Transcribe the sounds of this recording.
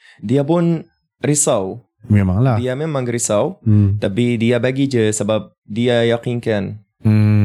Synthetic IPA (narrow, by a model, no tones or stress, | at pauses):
diapʊn | risaw | memaŋladiamemãŋɾisawt̪apidiabaɡid͡ʒəsəbap̚ | diajakinkan | m̩